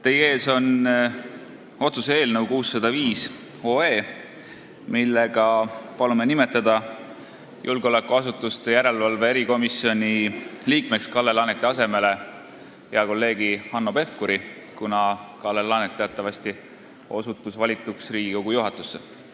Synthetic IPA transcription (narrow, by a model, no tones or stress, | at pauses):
t̪eje̞ːso̞n | o̞t̪susee̞ːlnəwkuːsːɑd̪̥ɑviːs | o̞ːe̞ː | milːe̞ɡ̥ɑpɑlume̞nime̞t̪ːˑɑd̪̥ɑ | jʔulɡo̞lekːuɑsut̪ːˑust̪ejæɾe̞lvɑlve̞eɾiko̞misːio̞nʲiliːkme̞kskɑlːe̞lɑnet̪ːˑeɑse̞me̞le | jɑko̞lːe̞ːɡ̥ihɑnːo̞pe̞fkuɾi | kunɑkɑlːelɑnet̪ːeɑt̪ːˑɑvɑst̪i | o̞sut̪ːˑusvɑlʲit̪ˑːuksriːɡ̥ikoɡ̥ujuɦɑt̪ːˑu̥sːe